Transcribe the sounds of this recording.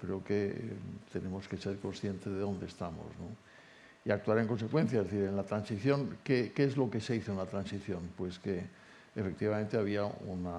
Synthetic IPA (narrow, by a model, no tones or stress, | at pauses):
kɾeoke̞t̪e̞ne̞mo̞ske̞se̞ɾko̞nsθje̞nt̪e̞zðeo̞nd̪est̪amo̞̰zno | iak̚t̪uaɾe̞ŋko̞nse̞kwe̞n̟θjaezðeθiɾe̞nlat̪ɾansiθjo̞ŋkekeezlo̞ke̞se̞iθoenlat̪ɾansiθjo̞npwe̞ske̞ː | fe̞k̚t̪iβamẽnt̪e̞aβ̞iaṵna